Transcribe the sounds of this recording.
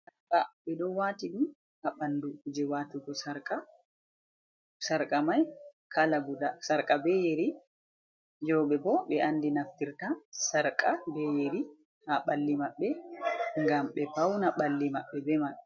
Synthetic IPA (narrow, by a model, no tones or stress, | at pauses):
sakaɓɛɗɔwwatiɗum | ʔaɓanduud͡ʒɛwatiɡɔsaɾkʼa | saɾkʼamaj | kalaɡudasaɾkʼabɛjeɾi | d͡ʒɔwɓɛbɔɓɛʔandinaftiɾtasaɾkʼabɛjeɾi | haɓalːimaɓːɛŋɡamɓɛpawnaɓalːimaɓːɛbɛma